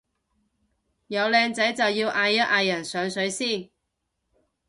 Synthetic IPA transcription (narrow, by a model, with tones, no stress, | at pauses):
jɐ˨˧wlɛː˧ŋt͡sɐ˨˥jt͡sɐ˨wjiː˧wʔaː˧jːɐ˥t̚ʔaː˨˧jːɐ˨˩nsœː˨˧ŋsɵ˨˥ɥjsiː˥˩n